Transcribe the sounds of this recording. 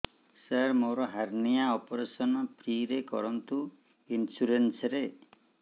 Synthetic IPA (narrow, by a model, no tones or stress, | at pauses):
saɾmoɾɔɦaɾnijaɔpɔɾesɔnɔpʰɾiɾekɔ̰ɾɔnt̪u | insuɾensɔɾe